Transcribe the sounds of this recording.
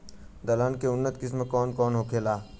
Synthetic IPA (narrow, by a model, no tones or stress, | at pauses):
d̪ɐlaːnkeʊnːət̪kɪsmekɔːnkɔːnɦoːkʰeːlaː